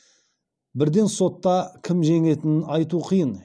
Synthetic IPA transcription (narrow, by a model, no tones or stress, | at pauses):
bɪɾd̪e̞nso̞t̪ːɑkʲʰɪmʒe̞ŋe̞t̪ɪnɪnɑjt̪uqʰijən